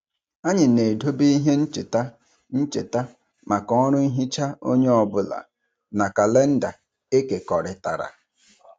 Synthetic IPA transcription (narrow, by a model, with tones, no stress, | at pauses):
a˦ɲɪ˨ne˨do˦bi˦i˦ɦe˦n̩˦t͡ʃɪ˨ta˦ | n̩˦t͡ʃe˨ta˦ | ma˨kɔ˦ɾʊ˦i˦ɦi˦t͡ʃa˦o˦ɲe˦ɔ˨bʊ˦la̰˨ | na˨ka˨le˦n̩˦da˨ | e˦ke˨kɔ˨ɾɪ˦ta˨ɾa̰˨